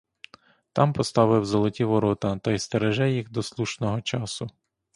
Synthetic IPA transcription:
t̪ɑmpɔst̪ɑʋɪwzɔlˠɔtʲiʋɔɾɔt̪ɐt̪ɐjst̪eɾeʒɛjixd̪ɔslˠuʃnɔɦɔt͡ʃɑsʊ

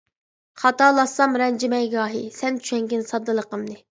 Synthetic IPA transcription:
χɑt̪ɑlˠɑsːɑmɾɛnd͡ʒɪmɛjɡɑːɦisɛnt͡ʃʰy̥ʃɛŋɡʲɪnsɑd̪ːɨlˠəqəmnɨ

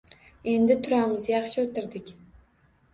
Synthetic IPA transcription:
e̞nd̪ɪt̪ʰʊɾamɪzjɑχʃɪot̪ɪɾd̪ɪkʲ

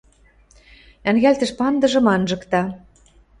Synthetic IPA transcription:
æŋɣælt̪ɘ̆ʃpɑnd̪ɤ̆ʒɤ̆mɑnʒɤ̆kt̪ɑ

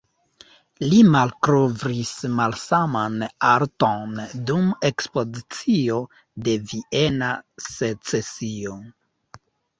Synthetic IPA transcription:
limalkɾovɾismalsamanaɾtondume̞kspo̞zit͡sio̞ | de̞vie̞naset͡se̞sio

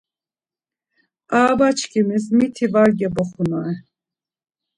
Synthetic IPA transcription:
aːbat͡ʃʰkʰimismit̪ʰivaɾɡɛbɔχunɔɛ

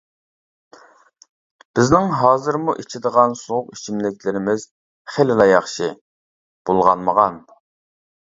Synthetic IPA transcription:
b̥ɪznɪŋɦɑːzɨɾmuʔit͡ʃʰid̪əʁɑnsoʁʊqi̥t͡ʃʰimlɪk̚ʲʰlɪɾɪmɪz̥ | χelɪlɑjɑχʃi | b̥olˠʁɑ̰nməʁɑn

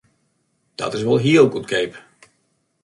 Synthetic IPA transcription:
d̥ɔ̰tɪs̬ʋɔlˠɦiəlɡutkʰeːp

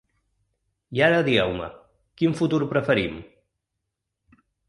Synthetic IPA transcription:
iaɾəðiɛwmə̰ | kinfut̪uɾpɾəfəɾim

